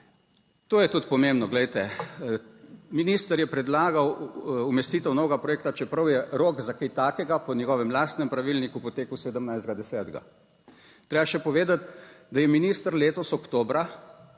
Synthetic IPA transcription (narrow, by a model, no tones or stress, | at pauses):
t̪oːjɛt̪ut̪pɔmembnɔɡlɛjt̪ɛ | miniːst̪əɾjɛpɾɛd̪laːɡawumɛst̪iːt̪ɛwnoːɡapɾɔjeːk̚t̪at͡ʃɛpɾɐwjɛɾoːɡzakejt̪aːkɛɡapɔnʲɛɡɔːʋɛmlaːst̪nɛmpɾaʋilnikupɔt̪eːkwsed̪əmnajzd̪ɡad̪ɛsɛːd̪ɡa̰ | t̪ɾeːbaʃɛpɔʋeːd̪at̪d̪ajɛminiːst̪əɾleːt̪ɔsɔkt̪oːbɾa